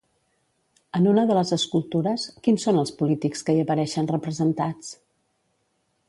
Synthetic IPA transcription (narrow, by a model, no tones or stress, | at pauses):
ənunəðələzəskulˠt̪uɾəskinsonəlˠspulit̪ikskəiəpəɾɛʃənrəpɾəzənt̪at͡s